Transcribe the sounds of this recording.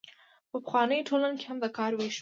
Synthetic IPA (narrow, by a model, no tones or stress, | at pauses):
pəpə̥xwɑnəjʈʰolanoke̥hamd̪əkɑɾweʃ